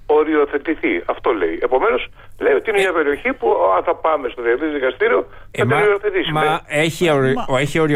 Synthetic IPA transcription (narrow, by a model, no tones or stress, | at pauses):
o̞ɾio̞θe̞t̪iθiɐft̪o̞le̞̰iepo̞me̞no̞s | le̞jo̞t̪iinemɲɐpe̞ɾio̞çipuɐnθɐpɐme̞st̪oðet̪it̪ðikɐst̪iɾio̞ | θɐmenɾioθet̪ismɐeeçioeçioɾi